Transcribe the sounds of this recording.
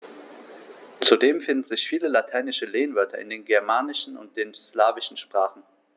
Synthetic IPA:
t͡sudeːmfɪndn̩zɪçfiːləlatʰaɪnɪʃəleːnvœɐtʰɐ̰ʔɪ̰ndeːnɡɛɐmaːnɪʃn̩ʊ̰nt̚d̥eːnslaːvɪʃn̩ʃpʁ̥aːχn̩

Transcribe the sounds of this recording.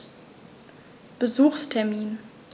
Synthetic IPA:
b̥əzuːxstʰɛɐmiːn

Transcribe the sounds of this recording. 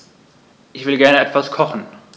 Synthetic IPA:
ʔɪçv̥ɪlɡɛɐnəʔɛtv̥askʰɔχn̩

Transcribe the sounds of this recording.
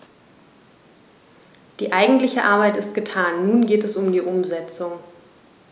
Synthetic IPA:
d̥iːʔaɪɡŋ̩tlɪçəʔaɐbaɪtɪstɡ̥ətʰaːnːuːnɡeːtɛsʊmdiːʔʊmzɛt͡sʊŋ

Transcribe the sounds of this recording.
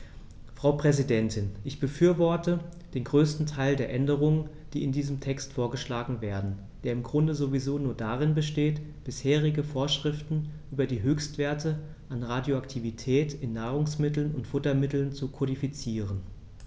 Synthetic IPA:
fʁ̥aʊpʁ̥ɛzidɛntʰɪnʔɪçb̥əfyːɐvɔɐtəd̥eːnɡʁøːstn̩tʰaɪldeːɐʔɛndəʁ̞ʊŋən | d̥iːɪndiːzəmtʰɛkstfoːɐɡəʃlaːɡŋ̩veːɐdn̩ | d̥eːɐɪmɡʁʊndəzovizoːnuːɐdaʁɪnbəʃteːt | b̥ɪsheːʁ̞ɪɡəfoːɐʃʁ̥ɪftn̩ʔyːbɐdiːɦøːçstv̥eːɐtə | ʔanʁadjoaktʰivitʰɛːtɪnːaːʁʊŋsmɪtl̩nʊntfʊtɐmɪtl̩nt͡sukʰɔdifit͡siːʁ̞ən

